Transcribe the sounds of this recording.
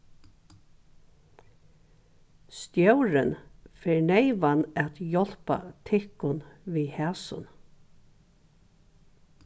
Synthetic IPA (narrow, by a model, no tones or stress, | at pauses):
st̪jœwɾɪnfɛːɹɳeɪʋanɛt̪jɔl̥pa̰t̪ʰɪhkʊnviːhæːsʊ̰n